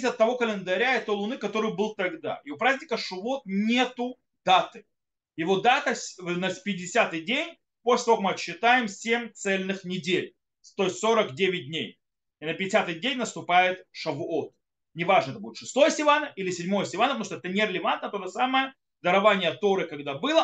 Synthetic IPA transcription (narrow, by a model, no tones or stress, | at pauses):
sʲtʲɐt̪ːɐvo̞kəlʲɪnd̪ɐɾʲaɛt̪əlˠʊnɨkɐt̪o̞ɾɨjbɨlˠt̪ɐɡd̪a̰ɪʊpɾazʲnʲɪkəʂɨvot̪nʲe̞t̪ʊ | d̪at̪ɨ | jɪvo̞d̪at̪əsnəpʲɪɪdʲɪsʲat̪ɨjdʲenʲ | posʲlʲɪt̪ɐvokmɨɐɕːɪt̪ajɪmsʲemʲt̪sɛlʲnɨxnʲɪdʲelʲ | t̪osʲtʲso̞ɾəkdʲevʲɪt̚ʲdʲnʲḛj | ɪnəpʲɪdʲɪsʲat̪ɨjdʲenʲnəst̪ʊpajɪt̪ʂɐvot̪̚ | nʲɪvaʐnəɛt̪əbudʲɪt̪ʂɨst̪o̞jəsʲɪvanəʔilʲɪsʲɪdʲmo̞jəsʲɪvanəpət̪ɐmuʂt̪ɔɛt̪ənʲɪɾʲɪlʲɪvant̪nət̪oʐəsaməjə | d̪əɾɐvanʲɪjət̪o̞ɾɨkɐɡd̪abɨlˠə